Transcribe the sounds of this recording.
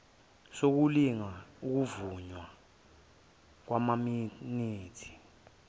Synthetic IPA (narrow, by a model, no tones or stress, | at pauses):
sok̬uliŋauk̬uvuɲwa | k̬wamaminiːtʰi̥